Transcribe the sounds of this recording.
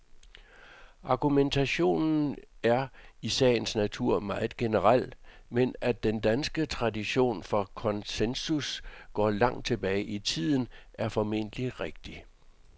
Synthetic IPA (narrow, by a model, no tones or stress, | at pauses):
ʔɑ̈ɡ̥ument͡sʰæɕo̝̰ːnn̩æɐisɛ̰ːɪn̩snæt͡sʰuɐ̰mɑ̈ːð̩ˠɡ̥e̝nəʁɑl̰menæd̥end̥ænsɡ̥ət͡sʰʁɑ̈diɕo̝̰ːnfɒ̽kʰɒ̽nsensusɡ̥ɒ̰ːlɑ̈ŋ̰̥̚t͡sʰe̝b̥ɛːɪʔit͡sʰið̰ˠn̩ʔæɐfɒ̽me̝̰n̰d̥əliʁeɡ̥̚d̥i